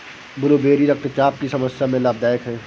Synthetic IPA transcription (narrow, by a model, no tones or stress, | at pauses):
bʊlobeːɾiɾɐk̚t̪t͡ʃaːp̚kisɐməsjamẽlaːb̚d̪aːjəkɦɛ̃ː